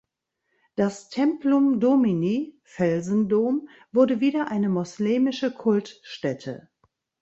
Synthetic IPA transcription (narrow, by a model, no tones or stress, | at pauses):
d̥astʰɛmplʊmdominiː | fɛlzn̩doːm | vʊɐdəviːdɐʔaɪnəmɔslɛːmɪʃəkʰʊltʃtɛtʰə̰